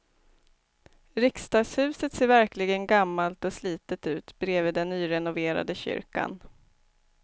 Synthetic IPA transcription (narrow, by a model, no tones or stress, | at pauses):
ɾɪkst̪ɑːɡshʉ̟ːsət̪seːɾvæɾklɪɡənɡamːalt̪ɔsliːt̪ət̪ʉ̟ːt̪bɾeːviːd̪ɛnːyːɾɛnʊveːɾa̰d̪əɕʏ̰ɾka̰n